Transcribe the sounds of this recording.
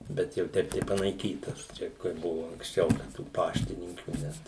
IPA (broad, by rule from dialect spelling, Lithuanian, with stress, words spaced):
ˈbʲɛt jɛʊ ˈtʲɛɪp tɐɪ pɐnɐɪˈkʲiːtɐs ˈt͡ʃʲɛ kɐɪ ˈbʊʋoː ɐŋksʲˈt͡ʃʲɛʊ dɐ tuː ˈpɑːʃʲtʲɪnʲɪŋʲkʲuː ˈnʲɛt